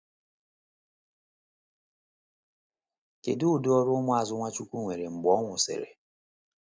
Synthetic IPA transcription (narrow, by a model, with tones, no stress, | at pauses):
ke˨dʊ˦ʊ˨dʊ˦ɔ˦ɾʊ˦mʊ˦a˨zʊ˦ŋʷa˦t͡ʃu˦kʷu˦ŋʷe˨ɾe˨ŋ͡m̩˨ɡ͡bɔ˨˦ŋʷʊ˨sɪ̰˨ɾḛ˨